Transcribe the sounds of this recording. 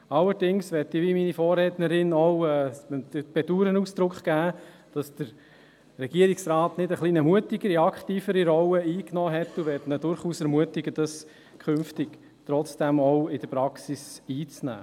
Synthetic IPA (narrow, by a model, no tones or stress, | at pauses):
ɑlːəɾd̥ɪŋsʋɛtɪʋiminifoːrɛtnəɾɪnɔwɛːdəpɛduːɾənusd̪̥ɾʊkχɡ̥æː | d̥ɑsd̥əɾ | rɛɡ̥iəɾiksɾɑːtnɪdəχliːnəmuətɪɡ̥əɾiɑkχtiːfəɾiɾɔwəiːknɔːɦɛtːʊʋɛtnədʊɾχuːsɛɾmuətɪɡ̥əd̥ɑs | kʰχʏnftɪk | t̪ɾɔt͡sd̥æmɔʊɪd̥əɾpɾɑksisiːt͡snæ̰ː